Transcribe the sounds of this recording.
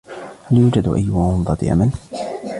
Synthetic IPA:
haljuːd͡ʒad̪ʔa̰jːʊhaʊnd̪ˤɑt̪ḭʔa̰mal

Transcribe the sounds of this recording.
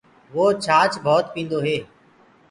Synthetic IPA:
ʋoːt͡ʃʰaːt͡ʃbʱɔːt̪pĩːnd̪oːɦeː

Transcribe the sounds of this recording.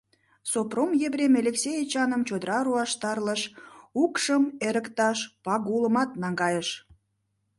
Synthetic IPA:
sopromjebɾʲemelʲeksʲejet͡ɕɑnəmt͡ɕod̪əɾɑɾuɑʃt̪ɑrləʃukʃəmeɾəkt̪ɑʃpɑɡuləmɑt̪nɑŋɡɑjəʃ

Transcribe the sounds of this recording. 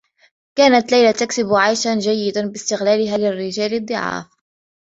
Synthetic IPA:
kaːnat̪lajlat̪aksɪbʕajʃaʒajːɪd̪abɪst̪ɪɣlæːlɪɦaːlɪrːɪʒæːlɪd̪ˤːɨʕɑ̰ːf

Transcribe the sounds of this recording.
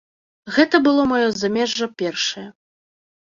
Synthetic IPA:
ɣɛt̪ɐbɨlˠɔmɐjɔzamʲɛʐːɐpʲɛrʂɐjɐ

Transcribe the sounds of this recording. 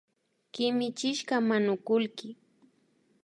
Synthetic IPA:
kɪmɪt͡ʃɪʃɢamanʊkʊlkɪ

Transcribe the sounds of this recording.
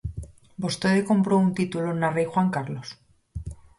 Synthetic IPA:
bo̞st̪oðeko̞mpɾo̞unt̪it̪ulonarejxwaŋkaɾlos

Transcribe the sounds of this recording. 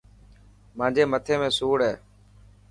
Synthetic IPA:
mãːd͡ʒʱeːmət̪ʰeːmẽːsuːɽɦɛː

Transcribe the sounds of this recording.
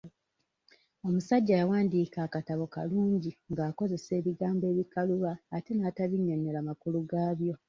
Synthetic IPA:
o̞musaɟːaːjawaːndiːkaːkataβo̞kaluːɲɟiŋɡaːko̞ze̞se̞ːβiɡaːmbe̞ːβikaluβaːte̞nataβiɲːoɲolamakuluɡaːβjo̞

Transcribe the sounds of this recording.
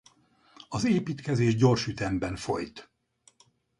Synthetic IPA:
ɒzeːpiːt̪kɛzeːʒɟo̞rʃyt̪ɛmbɛɱfo̞̰jt̪

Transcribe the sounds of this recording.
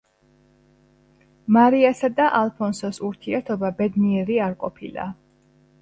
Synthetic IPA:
maɾiasad̪aʔalˠpʰɔnsɔsuɾt̪ʰiɛɾt̪ʰɔbabɛd̪niɛɾiaɾqʼɔpʰilˠa̰

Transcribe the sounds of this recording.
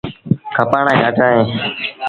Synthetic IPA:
kʰapaːɳãːd͡ʒaːd͡ʒaːɦẽː

